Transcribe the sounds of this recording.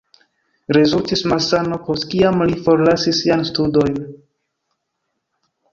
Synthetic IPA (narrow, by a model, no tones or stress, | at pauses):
ɾezultismasano̞po̞stkiamlifo̞ɾlasisːiajnstudo̞jn